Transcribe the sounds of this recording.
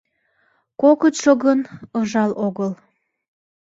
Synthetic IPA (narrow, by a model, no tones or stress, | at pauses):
kokət̪ʃoɣənɤʒɑloɣəl